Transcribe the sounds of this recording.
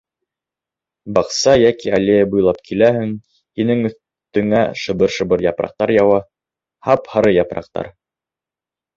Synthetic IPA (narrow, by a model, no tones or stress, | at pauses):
bɑqsɑjækiælejæbujlˠɑp̚kʰilæhɘŋ | hinɘŋɵ̆θ | t̪ɵ̆ŋæʃɤ̆bɤɾʃɤ̆bɤɾjɑpɾɑ̰q̚t̪ɑɾjɑwɑ | hɑphɑɾɤjɑpɾɑ̰q̚t̪ɑ̰ɾ